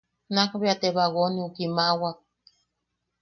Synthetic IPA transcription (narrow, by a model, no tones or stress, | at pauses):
nakβiat̪eβaɣoniukimawak̚